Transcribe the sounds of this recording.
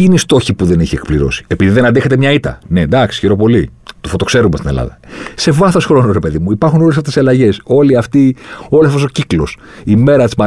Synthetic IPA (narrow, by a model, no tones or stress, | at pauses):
ineist̪o̞çipuðe̞niçiekpliɾo̞̰si̥epiðiðe̞nɐnd̪exet̪emɲɐit̪ɐ̰ne̞d̪ɐksi̥çiɾo̞po̞lit̪ufo̞t̪o̞kse̞ɾumest̪inelɐ̰ðɐse̞vɐθo̞sxɾo̞noɾepe̞ðimuipɐɾxunolesɐft̪esɐlɐʝe̞so̞liɐft̪io̞lesfosociklos | ime̞ɾɐt̪izmɐ